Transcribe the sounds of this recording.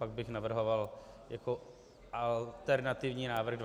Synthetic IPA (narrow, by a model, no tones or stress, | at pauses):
paɡ̚bɪxnavr̩ɦoval | jako | ʔalt̪ɛɾnat̪ɪvɲiːnaːvr̩ɣd